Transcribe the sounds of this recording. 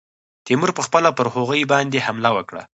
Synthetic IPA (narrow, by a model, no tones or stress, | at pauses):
t̪imuɾpəxpəlapəɾhoɣəjbɑnd̪ehamlawəkɽa̰